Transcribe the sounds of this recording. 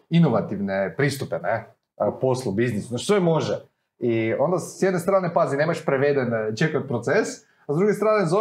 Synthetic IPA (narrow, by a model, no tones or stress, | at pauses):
inoʋat̪iʋnepɾist̪upene | poslˠubiznisunat͡ʃʃt̪oemoʒɛ | io̞nd̪asjɛd̪nest̪ɾaːnepazineːmaʃpɾeʋed̪ent͡ʃekat̪̚pɾot̪ses | azd̪ɾuɡest̪ɾaːnezo